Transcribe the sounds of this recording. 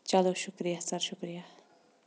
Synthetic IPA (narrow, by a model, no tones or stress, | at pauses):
t͡ʃaloʃukɾijasɐɾʃukɾija